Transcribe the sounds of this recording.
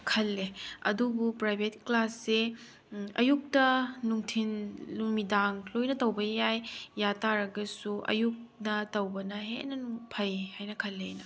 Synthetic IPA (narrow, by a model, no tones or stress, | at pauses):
kʰɐlːeɐ̰dubupɾajbʱet̚klasːe | ɐjuk̚tɐnuŋtʰinlumidaŋlojnɐtɐwbɐjajːataɾɐɡɐsuʔɐ̰juk̚nɐtɐwbɐnɐɦeʔnɐnuŋpʰɐjhajnɐkʰɐlːenɐ